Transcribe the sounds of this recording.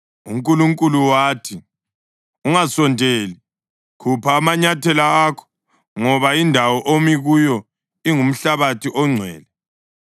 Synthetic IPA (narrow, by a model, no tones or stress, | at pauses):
uŋkʼuluŋkʼuluwaːtʰi | uŋasɔndʱeːli | kʰupʰaːmaɲatʰɛlaakʰɔ̥ | ŋɔβaindʱawɔʔomiɣujɔ | iŋum̩ɬaβatʰiʔɔŋ͡ǀʱwɛ̰ːlɛ